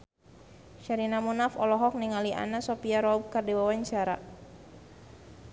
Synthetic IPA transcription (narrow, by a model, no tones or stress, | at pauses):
ʃaɾinamunafɔlɔɦɔk̚niŋaliʔa̰nasopiaɾɔb̚kardiwawaɲt͡ʃaɾa̰